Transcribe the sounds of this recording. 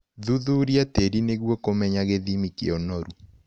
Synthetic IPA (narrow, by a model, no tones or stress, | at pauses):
ðuðuɾjateɾineɣwɔkomɛɲaɣeðimikeɔnɔɾu